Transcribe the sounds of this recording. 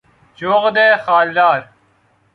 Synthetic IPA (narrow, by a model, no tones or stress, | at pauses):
d͡ʒoːɣd̪eːxaːld̪aːɾ